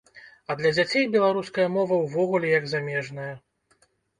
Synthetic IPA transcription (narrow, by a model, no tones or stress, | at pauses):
ɐd̪lʲɐd͡zʲat͡sʲejbʲɛlˠaɾuskɐjɐmɔvɐwvɔɣulʲɛjɐɡzamʲɛʐnɐjɐ